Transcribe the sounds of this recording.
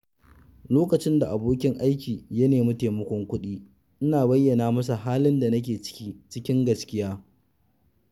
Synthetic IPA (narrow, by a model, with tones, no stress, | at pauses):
loː˦kɐ˨t͡ʃɪ˦nda˨ʔa˨boː˦kʲɪ˦ŋʔa˦jkʲiː˨jɐ˦neː˨mʊ˦teː˨mɐ˦kʷɔ˦ŋkʷʊ˦ɗiː˦ | ʔɪ˦naː˨bɐ˦jːɐ˨naː˦mɐ˦s̬a˨ɦaː˦lɪ˦nda˨nɐ˦k̬ʲeː˨t͡ʃɪ̥˦kʲiː˦t͡ʃɪ˦kʲɪ˦ŋɡɐ˨skʲɪ˦jaː˦